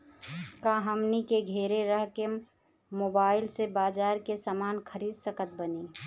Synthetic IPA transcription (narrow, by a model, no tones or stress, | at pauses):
kãɦəmnikeɡʱeːɾeɾəɦke | moːbaːɪlsebaːd͡ʒaːɾkesaːmaːnkʰəɾiːd̪səkət̪̚bəniː